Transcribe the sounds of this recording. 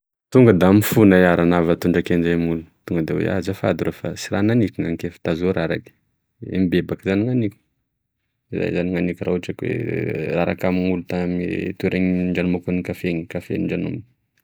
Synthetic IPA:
t̪uŋɡəd̪amifunajaɾanavat̪uɳɖ͡ʐakend͡ʒamulut̪uŋɡəd̪ewḛa̰zafad̪uɾofa̰siɾananikiŋaŋkefḁt̪azuɾaɾa̰ki̥ | ḛmibebakzaniŋanikʲu̥ | iza̰jzaniŋanikʲuraaʈ͡ʂakwḛraɾa̰kamiŋulut̪amḭt̪uɾʔeɲɳɖ͡ʐanumakunikafeŋikafḛiɳɖ͡ʐanṵmb

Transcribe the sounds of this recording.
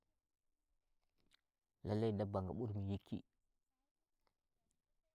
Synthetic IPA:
laladabaŋɡa̰ɓuɾmijikʰːḭ

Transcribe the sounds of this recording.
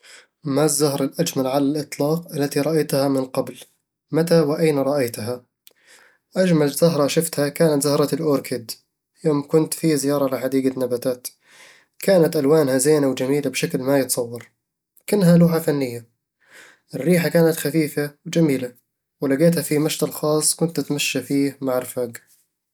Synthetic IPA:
mazːahɾˤɑlʔad͡ʒmalʕalalʔɨt̪ˤlɑːqʔalːat̪iɾˤɑʔajt̪hamɪnqɑbl | mat̪awɪʔajnaɾˤɑʔajt̪ɦa | ʔad͡ʒmalzʊɦɾˤɑʃɪft̪hakaːnat̪zʊhɾˤɑlʔoːɾkʰɪd̪ | joːmkʊnt̪fizɪjɑːɾˤɑlɪħad̪iːɡanːabaːt̪aːt̪ | kaːnat̪ʔalwaːnhazeːnawd͡ʒamiːlabʃaklmajɪt̪sˤɑwːɑɾˤ | kʊnːɦaluːħafanːɪjːa | ʔɪrːiːħakaːnat̪xafiːfawd͡ʒamiːla | wɪlaɡeːt̪hafimaʃt̪alxɑːsˤːkʊnt̪at̪maʃːafiːhmaʕɪɾfaːɡ

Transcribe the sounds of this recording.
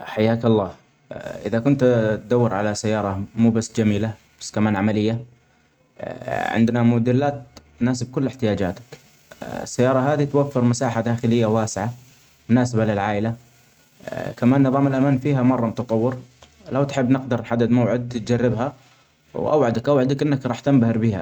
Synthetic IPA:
ħajːaːkɑlˤːɑː | ʔɪ̰ðakʊnt̪t̪d̪awːɪɾʕalasajːɑːɾˤɑmuːbasːd͡ʒamiːlabḁsːkamaːnʕamalɪjːa | ʕɪ̰nd̪namʊd̪ɪlːaːt̪ | naːs̬ɪb̚kʊlːɪħt̪ɪjaːd͡ʒa̰ːt̪ḁk | ɪ̰sːajːɑːɾˤɑɦaːd̪it̪wafːɪɾmasaːħad̪aːxɪlɪjːawaːsɪʕa | mʊnaːsabalɪlʕaːʔɪla | kamaːnːɨðˤɑːmɪlʔamaːnfiːɦamɑrˤːɑmʊt̪ɑt̪ˤɑwːɪɾ | lawt̪ħɪbːnɪqd̪ɑɾˤnħad̪ːɪd̪mawʕɪd̪̚t̪̚d͡ʒarːɪbha | wʔa̰wʕad̪akʔawʕad̪akʔɪnːakɾˤɑːħt̪ambahɪɾbiːha̰

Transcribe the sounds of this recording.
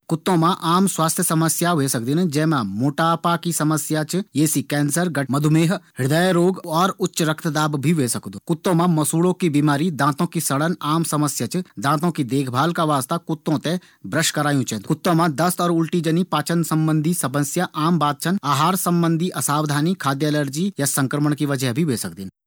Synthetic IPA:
kʊt̪ːõmãʔaːmswaːst̪ʰjəsɐməsjaʋesɐk̚d̪ind͡ʒɛ̃ːmãmoːʈaːpakisɐməsjat͡ʃjeːsikɛ̃ːnsəɾɡɐmɐd̪ʱʊmeːɦɦɪɽd̪əjeɾoːɡɔːɾʊtːʃɾɐkt̪ʰd̪aːbbʱiʋeːsɐkd̪okʊt̪ːõːmãmɐsuːlõkibiːmaːɾid̪ãːt̪õkisɐɽənaːmsɐməsjat͡ʃd̪ãːt̪õkid̪eːkʰbʱaːlkaʋaːst̪akʊt̪ːõt̪ẽ | bɾəʃkɐɾaːjũt͡ʃɛ̃ːd̪kʊt̪ːõmãd̪ɐst̪ɔːɾʊlʈid͡ʒənipaːt͡ʃənsɐ̃mbə̃nd̪ʱisɐbə̃sjaʔaːmbaːt̪̚t͡ʃʰənaːɦaːɾsɐ̃mbə̃nd̪ʱiʔɐsaːʋd̪ʱaːnikʰaːd̪jələɾd͡ʒijasɐ̃ŋkɾəməɳ̃kiʋɐd͡ʒəɦbʱiʋeːsɐk̚d̪in

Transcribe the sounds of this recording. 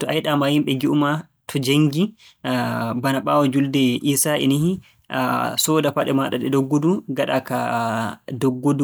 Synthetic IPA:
tɔʔajɗamahimɓɛɡiʔuma | tʰɔd͡ʒeŋɡi | banaɓawɔd͡ʒuldɛʔiːsaʔɛ̰niɦi | sɔdapaɗɛmaɗaɗɛdɔɡːoduɡaɗaka | dɔɡːodu

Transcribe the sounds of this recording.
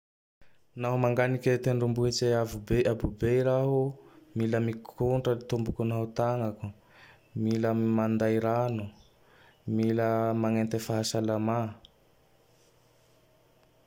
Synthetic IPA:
naɦumaŋɡaniket̪eɳɖ͡ʐumbuɦet͡seavubeʔabubeɾaɦumiləmikʰuɳʈ͡ʂət̪umbukunaɦut̪aŋaku | miləmand̪ajɾanu | miləmaŋent̪efaɦasalama

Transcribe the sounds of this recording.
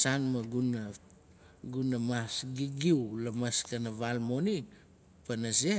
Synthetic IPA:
sanmaɡuna | ɡunamasɡiɡiwlamaskanavalmo̞ni | panase

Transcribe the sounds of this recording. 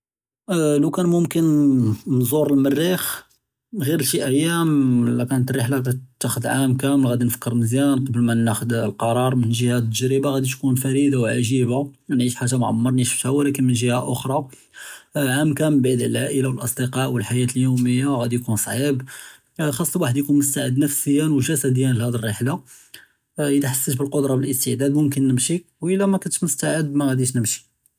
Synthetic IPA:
lukænmʊmkənnzˤuɾˤəlmərːix | ɣiɾəʃiʔəjːæmlækænət̪riħlat̪ːæxəd̪ʕamkæməlɣæd̪infə̥kːəɾməzjænqɑbəlmænːæxəd̪lqɑɾˤɑɾˤmənʒihæt̪ːəʒɾəbaɣæd̪it̪kunfæɾid̪awʕaʒibanʕiʃħaʒamʕa̰mːɑɾˤniʃəft̪hæwælækənmənʒihæʔʊxɾˤɑ | ʕamkæmbʕid̪əlʕaʔəlawəlʔɑsˤd̪eqɑʔwəlħajæt̪əljuwməjːaɣæd̪ijkunsˤʕib | xɑsˤːwaħəd̪jkunmʊst̪aʕəd̪nəfsəjːænwʒæsæd̪əjːænlihæd̪ərːiħla | ʔəd̪æħasːət̪bəlqod̪ɾˤɑbəlʔəst̪əʕd̪æd̪mʊmk̬ənːəmʃikwʔəlːæmækʊnt̪ə̥mʊst̪aʕəd̪̚bmæɣæd̪iʃnəmʃi̥

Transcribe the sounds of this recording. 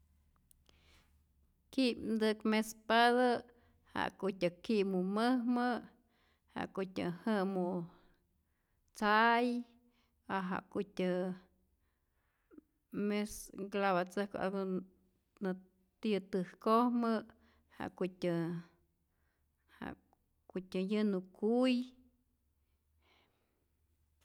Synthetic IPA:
kid̪ɨkmespaðə | ha̰ʔkut̪ʲɨkiʔmuməhmə | ha̰ʔkut̪ʲɨ̰hɨmu | t͡saj | aɦa̰ʔkut̪ʲɨ | mesɡlaβat͡səhko̰ʔa̰ɡo | nɨ | t̪jɨt̪ɨhkohmə | ha̰ʔkutʲɨ | ha̰ʔ | kut̪ʲɨjɨnukuj

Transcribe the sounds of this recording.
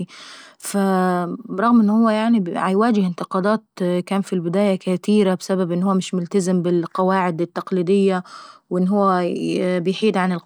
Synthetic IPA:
fabɾˤɑɣmʔɪnːhʊwːæjaʕniʕjwaːd͡ʒɪhɪnt̪ɪqɑːd̪ɑːt̪̚kaːnfilbɪd̪æːjakat̪iːɾabsababʔɪnːhʊwːæmɪʃmʊlt̪azɪmbɪlqɑwaːʕɪd̪ɪt̪ːɑqliːd̪ɪjːawʔɪnːɦʊwːæbɪjħiːd̪ʕanɪl

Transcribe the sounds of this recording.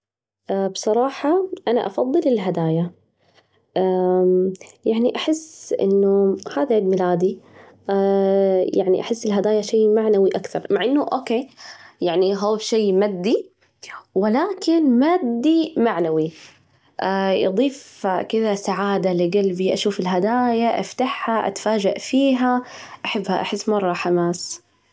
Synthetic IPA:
ʔbsˤɑɾˤɑːħɑʔana̰ʔɑfɑðˤːɨlɪlɦad̪aːja | ʔ | jaʕniʔaħɪsːʔɪ̰nːuhaːðalmɪlaːd̪i | jaʕnḭʔaħɪsːɪlɦad̪aːjaʃeːmaʕnawiʔakθɑ̰ɾˤmaʕʔɪnːʊʔoːkeːjaʕniɦoːʃeːmad̪ːi | wɪlaːkɪnmaːd̪ːimaʕnawi | ʔajɨ̰d̪ˤiːfkɪðasaʕaːd̪alɪɡalbiʔaʃuːfɪlɦad̪aːjaʔa̰ft̪aħhaʔa̰t̪ḁfaːd͡ʒaʔfiːɦaʔaħabːhaʔaħɪsːmɑrˤːɑħamaːs

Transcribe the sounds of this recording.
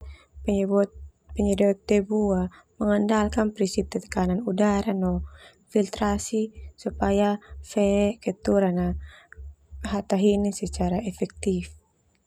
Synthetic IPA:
pɛɲɛdɛt̪ːɛbua | məŋandalkanpɾinsip̚t̪ɛt̪ə̥kananudaɾanɔ | filt̪ɾasisupajafɛkɛt̪uɾana | ɦat̪aɦinisɛt͡ʃaɾaɛfɛk̚t̪if

